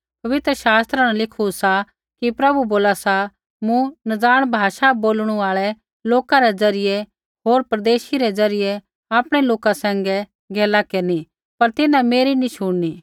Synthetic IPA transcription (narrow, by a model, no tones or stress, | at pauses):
pɐʋɪt̪ɾəʃaːst̪ɾaɽ̃ãlɪkʰusa | kipɾɐbuboːlasa | mũnɐd͡zaːɽ̃bʱaːʃaboːlɽ̃uaːɭɛ | loːkãɾɛd͡zɐɾɪjɛ | ɦoːɾpɾd̪eːʃiɾɛd͡zɐɾɪjɛ | aːpɽ̃ɛloːkasɛ̃ːŋɡɛ | ɡʱɛːlakeːɾni | pɐɾt̪ɪnãmeːɾiniʃʊɽni